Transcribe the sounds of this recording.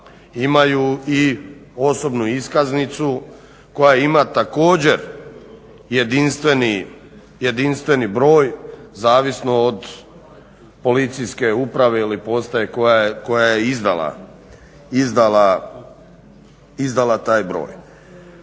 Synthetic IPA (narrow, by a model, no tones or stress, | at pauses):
imajuio̞so̞bnuiskaznit̪su | ko̞jaeimat̪ako̞ːd͡ʑeɾ | je̞d̪inst̪ʋe̞ni | je̞d̪inst̪ʋe̞nibɾo̞ːjzaːʋisnood̪ | po̞lit̪sijske̞upɾaʋe̞ilipo̞st̪aje̞kojako̞jajeizd̪a̰lˠa̰ | izd̪ala | izd̪alˠat̪aːjbɾo̞̰ːj